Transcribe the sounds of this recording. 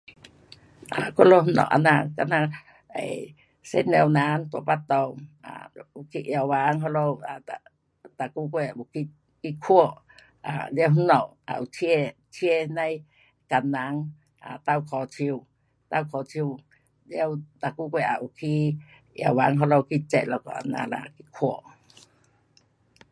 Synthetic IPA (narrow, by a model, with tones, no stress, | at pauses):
ʔa˨ko˦lo˧hnɔ̰˧˨ʔa̰˧nã˧ka˧nã˧ | ḛ˨ | sḛ˦ne˧wna˨˦nt̪o˧˨pa˦t̪o˧wa̰˨u˨ki˧ʔja˧˨waː˨˧ŋɦo˧lo˧wa˨a | t̪a˨ku˦kʷe˧˨u˨ki˧ | ki˧kʰu˦o˦˨ʔ | a˨lje˦whnɔ˧˨ʔ | a̰˨ʔu˨tʰe˦˧ | tʰje˦˧na˦j | ka˨nã˨˦ŋ | a̰˨t̪a˧wkʰɔ˨t͡ʃʰi˧w | t̪a˧wkʰɔ˨t͡ʃʰi˧w | lje˧wt̪a˨ku˦kʷe˧˨ʔa˨ʔu˨kʰi˦ | ja̰˧˨wa˨˦ŋɦɔ˧lo˧wki˧t͡ʃe˧˨lɔ˧˨kɔ̰˨a̰˨na̰˧˦la̰˧˨ki˧kʰʷo˧˦˨ʔ